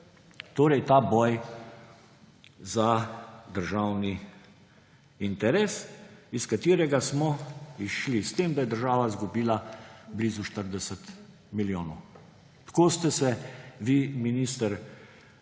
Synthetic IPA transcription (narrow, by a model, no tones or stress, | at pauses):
t̪oːɾɛjt̪aːbɔːj | zad̪əɾʒaːwni | int̪ɛɾɛːsiskat̪iːɾɛɡasmɔiʃlist̪eːmd̪ajɛd̪əɾʒaːʋazɡubiːlablizuʃt̪əɾd̪ɛsət̪ | miljoːnɔw | t̪ḁkoːst̪ɛsɛʋiminiːst̪əɾ